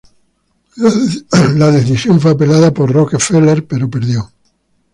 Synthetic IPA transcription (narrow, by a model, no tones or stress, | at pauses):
laðe̞θisjo̞ɱf̬weape̞laðapoɾrokefeleɾpe̞ɾo̞pe̞ɾðjo